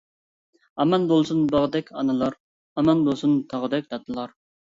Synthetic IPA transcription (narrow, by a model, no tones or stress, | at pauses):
ɑmɑnbolˠsunbɑʁd̪ɛkʲʰɑnɨlˠɑɾ | ɑmɑnbolˠsunt̪ʰɑʁəd̪ɛkʲd̪ɑt̪ʰːɨlˠɑɾ